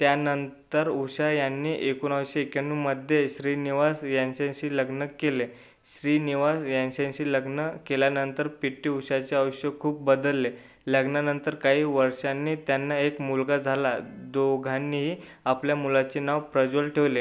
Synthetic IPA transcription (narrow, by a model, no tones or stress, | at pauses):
t̪janənt̪əɾuɕajanːiːʔekuːnəʋɕekjanːuːməd̪ʱːjeɕɾiːniʋasjãnɕãnɕiːləɡnəkːele | ɕɾiːniʋasjãnɕãɕiːləɡnəkeljanənt̪əɾpiʈːiːuɕat͡ɕeəʋəɕjəkʰuːp̚bəd̪əlːe | ləɡnanənt̪əɾkaɦiːʋəɾʂanːiːt̪janːaekmulɡad͡zʱalad̪oɡʱanːiɦiː | apljamulat͡ɕenaʋpɾəd͡ʑolʈʰeʋle